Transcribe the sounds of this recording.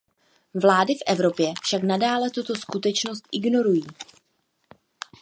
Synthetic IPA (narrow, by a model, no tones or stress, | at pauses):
vlaːdɪfʔɛvɾo̞pjɛfʃaknadaːlɛt̪ut̪o̞skut̪ɛt͡ʃno̞st̪ʔɪɡno̞ɾujiː